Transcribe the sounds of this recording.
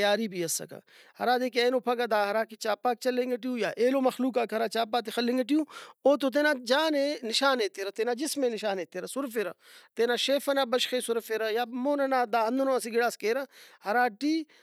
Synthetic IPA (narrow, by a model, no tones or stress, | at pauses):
jaːɾibʱiɐsɐ̰ka̰ | hɐɾaːd̪eːkeːnoːpʰɐkad̪aːɦɐɾaːkit͡ʃaːpaːk̚t͡ʃɐlẽŋɡɐʈ̬ijũːjaːʔeːloːmɐxluːk̬aːkɦɐɾaːt͡ʃaːp̬aːt̪̬exɐlːẽŋɡɐʈ̬ijũːoːt̪̬ot̪̬enaːd͡ʒaːnenɪʃaːneːt̪eːɾɐt̪eːnaːd͡ʒɪsmẽnɪʃaːneːt̪eːɾɐsʊɾfeɾɐt̪eːnaːʃeːfɐnaːbɐʃxeːsʊɾfeɾɐjaːmoːnɐnaːd̪aːɦɐnd̪unoɐsiɡɪɽaːskeːɾɐhɐɾaːʈiː